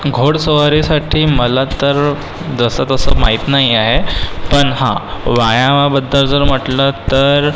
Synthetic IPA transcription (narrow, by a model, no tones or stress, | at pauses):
ɡʱoɽsəʋaɾisaʈʰiːməlat̪əɾ | d͡zəsət̪əsəmaɦit̪naɦiaɦepəɳɦã̰ʋajaʋabəd̪ʱːəɾd͡zəɾm̤əʈlət̪əɾ